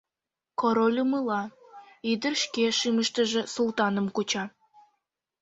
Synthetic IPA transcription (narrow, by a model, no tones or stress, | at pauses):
koɾolʲumɯlɑid̪ərʃkeʃɨməʃt̪ə̆ʒĕsulˠt̪ɑnə̆mkot͡ɕɑ